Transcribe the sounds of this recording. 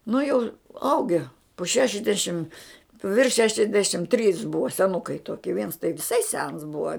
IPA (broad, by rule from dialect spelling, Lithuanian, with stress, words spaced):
nʊ jɛʊ ˈɐʊɡʲɛ poː ˈʃʲæːʃʲɛzʲdʲɛʃʲɪm ʋʲɪrʃ ˈʃʲæːʃʲɛzʲdʲɛʃʲɪm tʲrʲiːs ˈbʊʋɐ sʲɛˈnʊkɐɪ ˈtoːkʲɪ ʋʲiɛns tɐɪ ʋʲɪˈsɐɪ sʲɛns ˈbʊʋɐ